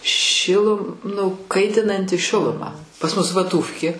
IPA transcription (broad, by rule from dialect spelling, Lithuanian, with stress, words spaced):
ˈʃʲɪlˠʊ nʊ ˈkɐɪtʲɪnɐnʲtʲɪ ˈʃʲɪlˠʊmɐ pɐs ˈmʊs ʋɐˈtuːfʲkʲeː